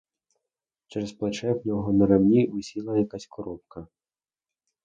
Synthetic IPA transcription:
t͡ʃɛɾɐsplˠat͡ʂɛxnʲɔɦɔnɐɾamnʲivusʲilˠɐjakasʲkɔɾɔp̚kɐ

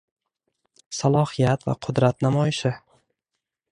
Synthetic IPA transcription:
salˠɒhijat̪va̰qʰʊd̪ɾat̪namɒjɪʃɪ

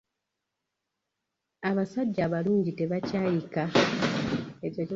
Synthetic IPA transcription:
aβasaɟːaːβaluːɲɟite̞βacaːjika | ecac

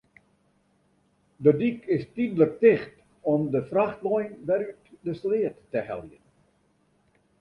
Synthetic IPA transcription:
dədikɪstidlək̚tɪxt | ɔmdəfraxtlɔjnʋɛɾytdəslɪətːəhɛ̰lˠjən

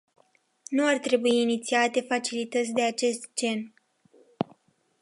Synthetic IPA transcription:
nuart̪ɾe̞buiːnit̪siat̪e̞fat͡ʃilit̪ət̪sʲd̪e̞at͡ʃe̞st̪d͡ʒe̞n

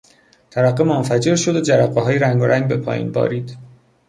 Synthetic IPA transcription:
t̪ʰævæɢːemonfæd͡ʒe̞ɾʃod̪od͡ʒæɾæɡeɦɒːjeɾæŋɡoɾæŋɡbepʰɒ̰ːjḭnbɒ̰ːɾiːd̪

